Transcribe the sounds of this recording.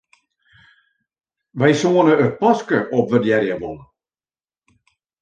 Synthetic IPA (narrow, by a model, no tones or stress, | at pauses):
ʋɛjsoənəəpɔskəʔɔp̚ʋədjɛɾjəʋɔn